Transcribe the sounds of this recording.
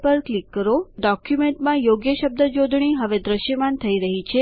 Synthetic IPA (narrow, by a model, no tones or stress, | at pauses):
pəɾklikːəɾoɖɔkjumeɳʈmãjoɡjəʃəb̚d̪ʱəd͡ʒod̪ʱɳiɦəʋed̪ɾəʃjəmant̪ʰəiɾəɦit͡ʃʰe